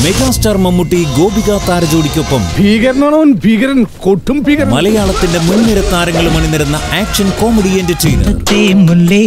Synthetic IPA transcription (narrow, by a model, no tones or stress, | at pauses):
meɣaːstɐrmɐmːuʈːiɡo̞ːbʱiɣaːt̪ːaːɾɐd͡ʑoːɽikʲːo̞pːɐmbʱiːɣɐɾɐnːaːɳɐnbʱiːɣɐɾɐnkoʈʰːumbʱiːɣɐɾmɐlɐjaːɭɐt̪ːinde̞munːiɾɐt̪ːaːɾɐŋːɐɭumɐɳinɐɾunːɐaːkʂɐnko̞ːmɐɽijendet͡ɕejnɨ̰t̪ːemːulːe